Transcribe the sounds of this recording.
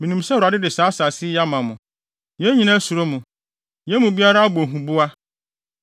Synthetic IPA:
mĩ˨nũ˨msɛ˦wɾa˨dɪ˦dɪ˨saː˨˦sa˨sɪ˦ja˦mã˨mʊ̃˨ | jɛ˦ɲĩ˦nã˦su˨ɾo˦mũ˨ | jɛ˦mũ˨bi˦a˦ɾa˦a˦bo˨ɦũ˨bʊ˦a˦

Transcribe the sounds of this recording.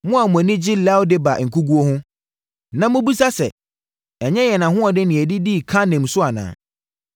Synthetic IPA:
mʊ̃˦a˨mʊ̃˨æ˨nɪ̃˦d͡ʑɪ˦lɛ˦wdɪ˦ba˨ŋ̩˨kʰu˦ɡu˦o˦hʊ̃˦ | nã˨mʊ̃˦bi˦sa˦sɛ˨ | ɛ˨ɲɛ̃˦jɛ˨nã˨ɦʊ̃˦ɔ˨dɪ˦nɪ̃˨æ˨di˦di˦˨kʰã˦nɛ̃˨msʊ˦a˨nã̰ː˨

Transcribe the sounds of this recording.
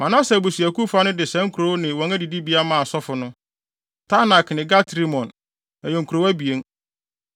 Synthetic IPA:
mã˨nã˦sɛ˨bu˨si˨æ˨ku˦fa˦nʊ̃˦dɪ˨sɛ̃˦ŋ̩˦kʰu˨ɾo˨˦nɪ̃˨wɔ̃˨ŋæ˦di˨di˦bi˦a˦mãː˦˨a˨sɔ˦fʊ˨nʊ̃˦ | tʰa˦na˨knɪ̃˨ɡa˦tɾi˦mɔ̃˨n | æ˨jo˨ŋ̩˨kʰu˨ɾo˨wæ˦bi˨e˦ŋ

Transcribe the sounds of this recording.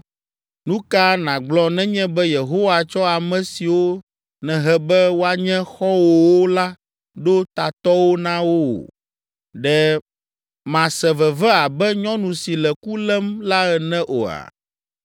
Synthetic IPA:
nũ˦ka˦nã˨ɡ͡blɔ˦nɛ̃˦ɲɛ̃˦bɛ˦je˨ɦo˦wa˨t͡ʃɔ˦a˨mɛ̃˨si˨wo˦ | nɛ̃˨ɦɛ˦bɛ˦wo˦a˨ɲɛ̃˦xɔ˦wo˨wo˦la˦ | ɖo˦t̪a˨t̪ɔ˦wo˦nã˦wo̰˦˨ | ɖɛ˦ | mã˨sɛ˨vɛ˨vɛ˦a˨bɛ˦ɲɔ̃˦nũ˨si˨lɛ˨ku˦lɛ˦mla˦ɛ˨nɛ̃˦ʔo̰˨a̰˨

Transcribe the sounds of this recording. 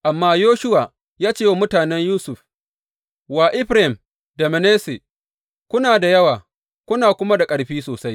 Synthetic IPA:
ʔa˨mːaː˦joː˦ʃʊ˦waː˨ | jaː˦t͡ʃeː˦wa˦mʊ˦taː˨nɛ˦ɲjuː˦sʊ˨ɸ | waː˨ʔɪ˦ɸɾɪ˨m | da˨me˨neː˦se˨ | kʷʊ˦naː˨da˨jɐ˦waː˨ | kʷʊ˦naː˨kʷʊ˦ma˦da˨kʼɐ˨ɽɸiː˦soː˨sa˦j

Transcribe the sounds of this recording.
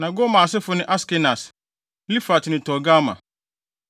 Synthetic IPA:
nã˨ɡo˦mã˨s̬ɪ˦fʊ˨nɪ̃˦ʔa˦skɪ˦na˨s | li˦fa˨tnʊ̃˨tʰɔ˨ɡa˦mã̰˨

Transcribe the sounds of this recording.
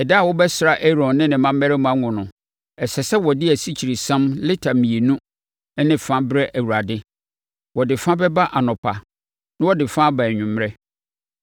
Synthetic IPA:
ɛ˨dɪ˦a˦˨wɔ˦bɛ˦sɾa˦˨ʔɛ˦ɾɔ̃˨nnɪ̃˦nɪ̃˨mã˦mː˦ɛ˦ɾɛ˦mũ˦ã˦ŋʊ̃˨nʊ̃˨ | ɛ˨sɛ˨sɛ˦wɔ˨dɪ˦æ˨si˦t͡ɕʰi˨ɾi˨sã˦mlɪ˦tʰa˨mĩ˨e˨nũ˦ | ɛ˦nɪ̃˦fã˦bɾɛ˦ʔæ˨wu˨ɾa˨dɪ˦ | wɔ˨dɪ˨fã˦bɛ˦ba˦ʔa˨nɔ̃˨pʰa˨ | nã˦wɔ˦dɪ˨fã˦ba˨ɲᶣʊ̃˨m˦ɾɛ˦

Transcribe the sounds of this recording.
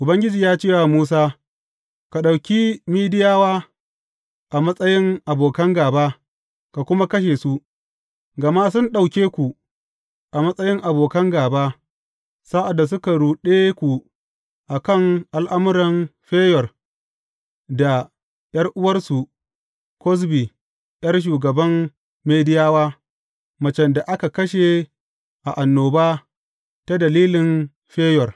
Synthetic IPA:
ʔʊ˨bɐ˦ŋɡʲɪ˦d͡ʒiː˨jaː˦t͡ʃeː˦wa˨muː˦s̬aː˦ | ka˨ɗa˨wkʲiː˦miː˦dɪ˦jaː˦waː˦ | ʔa˨mɐ˦sʼɐ˦jɪ˦ŋʔa˨boː˨kɐ˦ŋɡaː˨baː˦ | ka˨kʷʊ˦ma˦kɐ˦ʃ̬eː˨su˦ | ɡɐ˨ma˦s̬ʊ˦nɗa˨wkʲeː˦kʷu˨ | ʔa˨mɐ˦sʼɐ˦jɪ˦ŋʔa˨boː˨kɐ˦ŋɡaː˨baː˦ | sa˦ʔa˨dːa˨s̬ʊ˦ka˨ɽuː˨ɗeː˦kʷu˨ | ʔa˨kɐ˦˨ŋʔa˨lʔa˦mʊ˦ɾɐ˨mɸeː˦jɔ˨r | da˨ | jɐ˦rʔʊ˦wɐ˦rsu˨ | kɔ˦s̬biː˨ | j̰ɐ˦rʃ̬uː˨ɡɐ˨bɐ˦mː | eː˦dɪ˦jaː˦waː˦ | mɐ˨t͡ʃɛ˨nda˨ʔa˦ka˨kɐ˦ʃe˨ | ʔa˨ʔa˨nːoː˨baː˦ | ta˦dɐ˨liː˦lɪ˨n | ɸeː˦jɔ˨r

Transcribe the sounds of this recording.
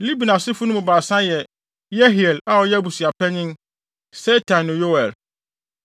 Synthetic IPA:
li˦bi˨nã˨sɪ˦fʊ˦nʊ̃˦mʊ̃˨baː˨sã˦jɛ˨ | jɛ˦ɦi˨ɛ˨la˨ɔ˨jɛ˦bu˨si˨a˨pʰɛ˦ɲɪ̃˦n | sɛ˦tʰã˨nːʊ̃˨jo˦wɛ˨l

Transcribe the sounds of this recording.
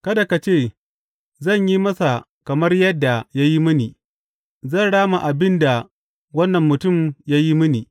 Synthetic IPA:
kɐ˦da˨ka˨t͡ʃeː˦˨ | zɐ˦˨ɲji˦mɐ˦sa˨ | kɐ˨mɐ˦rjɐ˦dːa˨ja˦ji˦mɪ˦ni˨ | zɐ˦˨ɽaː˦ma˨ʔa˨bɪ˦nda˨ | wɐ˦nːɐ˨mːʊ˨tʊ˦˨mja˦ji˦mɪ˦niː˨

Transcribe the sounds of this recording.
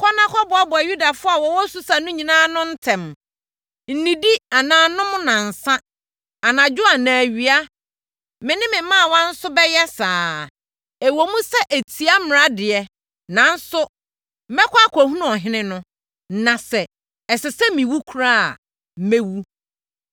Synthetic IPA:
kʰɔ˦nã˦kʰɔ˦bʊ˨a˦bʊ˨ɛ˨ju˦da˨fʊ˦a˨wɔ˨wɔ˦su˦sa˨nʊ̃˦ɲĩ˨nãː˦nʊ̃˦n̩˦tʰɛ̃˨m | n̩˨nĩ˨di˦a˨nãː˨nʊ̃˦mʊ̃˦nã˨n̩˨sã˦ | a˨nã˨d͡ʑᶣʊ˦a˨nã˨æ˨ɥi˨a˦ | mɪ̃˨nɪ̃˦mɪ̃˨mã˦˨wɔ̃˦n̩˦sʊ˦bɛ˦jɛ˦saː˨ | ɛ˨wo˨mũ˦sɛ˦ʔe˨tʰi˨a˦mɪ̃˨a˦dɪ˨ɛ˨ | nã˨n̩˦sʊ˦ | m̩˦mɛ˦kʰʷa˦kʷʰɔ˨hũ˦nʊ̃˦ɔ˨ɦɪ̃˦nɪ̃˦nʊ̃˦ | nã˨sɛ˨ | ɛ˨sɪ˨sɛ˦mĩ˨wu˦kʰu˨ɾa˦a˨ | m̩˨me˦wu˦

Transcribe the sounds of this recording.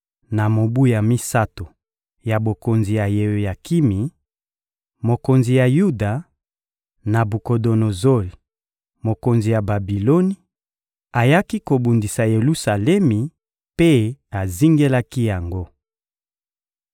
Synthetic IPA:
na˨mo˨bu˦ja˨mi˦sa˦to˨ | ja˨bo˨ko˨nzi˨ja˨je˨ja˨ki˦mi˨ | mo˨ko˨nzi˨ja˨ju˦da˨ | na˨bu˨ko˨do˨no˨zo˦li˨ | mo˨ko˨nzi˨ja˨ba˨bi˨lo˦ni˦ | a˨ja˦ki˦ko˨bu˨ndi˨sa˨je˨lu˦sa˨lɛ˦mi˨ | pe˦a˨zi˦ŋɡe˦la˦ki˦ja˨ŋɡo˦

